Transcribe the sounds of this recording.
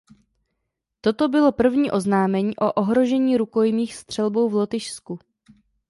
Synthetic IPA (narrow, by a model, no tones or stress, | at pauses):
t̪o̞t̪o̞bɪlo̞pr̩vɲiːʔo̞znaːmɛɲiːʔo̞ʔoɦɾo̞ʒɛɲiːɾuko̞jmiːxst̪r̝̥ɛlbowvlot̪ɪʃsku